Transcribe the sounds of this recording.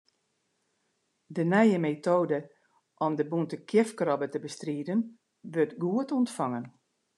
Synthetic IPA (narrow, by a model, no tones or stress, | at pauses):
dənɛjəmetoːdə | ʔɔmdəbuntəkʰjɛfkrɔbətəbəstriːdən | ʋɵrtɡuətɔntfɑŋən